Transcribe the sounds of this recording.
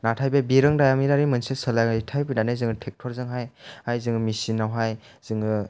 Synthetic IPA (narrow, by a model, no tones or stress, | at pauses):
natʰajbebiɾɯŋdajamiɾaɾimɯnsɯsɯlajŋaitʰajbɯdanajzɯŋɯtʰek̚tʰɔɾzɯŋɦajajzɯŋɯmisinːawɦaj | z̥ɯŋɯ